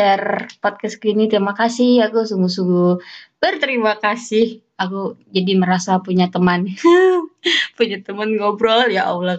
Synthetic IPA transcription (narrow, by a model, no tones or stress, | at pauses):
ərpɔt̪̚kɛskinit̪əɾimakasɪhakusuŋɡusuŋɡubərt̪əɾimakasɪh | akud͡ʒadiməɾasapuɲat̪əman | puɲat̪əmanɡobɾɔljaʔa̰ula